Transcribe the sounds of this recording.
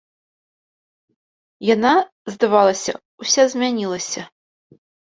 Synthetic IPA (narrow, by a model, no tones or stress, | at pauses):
jana | zd̪avalˠɐsʲɐ̰ | usʲazʲmʲanʲilˠɐsʲɐ